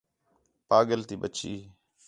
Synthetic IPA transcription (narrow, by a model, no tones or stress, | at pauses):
paːɠəlt̪iːɓət͡ʃiː